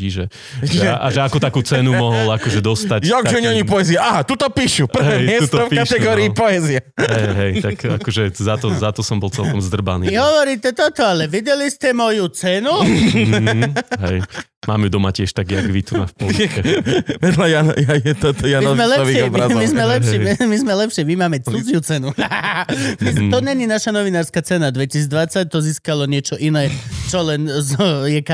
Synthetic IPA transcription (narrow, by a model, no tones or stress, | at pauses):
iʒɛ | ɛʔaʒɛakɔt̪akuːt͡sɛnumɔɦɔlakɔʒɛd̪ɔst̪acjɔɡʒɛɲɛɔɲipɔɛziaʔaɦat̪ut̪ɔpiːʃurɦɛːmmɪɛst̪ɔfpkaʃt̪ɛɡɔɾiːpɔɛziaɦɛjɦɛjt̪aka̰ɔʒɛzat̪ɔzat̪ɔsɔmbɔlt͡sɛlkɔmzd̪r̩ba̰nḭiɦɔʋɔɾit̪ɛt̪ɔt̪ɔalɛʋiɟɛlistɛmɔjut͡sɛnu | ɦɛj | ma̰ːmɛd̪ɔmacɪɛʃt̪aɡjaɡʋit̪una̰fpɔlɛʋɛd̪lajanjaɛt̪ɔt̪ɔjaniɔzmɛlɛaʋiapamizmɛlɛpʃɛmizmɛlɛpʃɪɛmimaːmɛt͡sud͡zɪjut͡sɛnu | mit̪ɔɲɛɲinaʃanɔʋinaːɾskat͡sɛnad̪ʋɛcisid͡zd̪ʋat͡sac̚t̪ɔziːskalɔɲɪɛt͡ʃɔʔinɛːt͡ʃɔlɛnzɔjɛk